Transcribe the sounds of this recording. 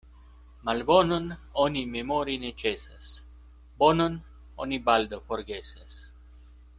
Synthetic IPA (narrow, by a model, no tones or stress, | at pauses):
malbonənonimemoɾinet͡ʃesɐ̰s | bonən | o̰nibald̪əfoɾɡesas